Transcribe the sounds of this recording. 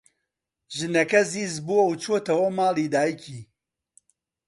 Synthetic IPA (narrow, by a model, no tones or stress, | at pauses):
ʒɨnɛkɛziːzbuwɐut͡ʃʰoːt̪ʰɐwɐmaːliːd̪aːiciː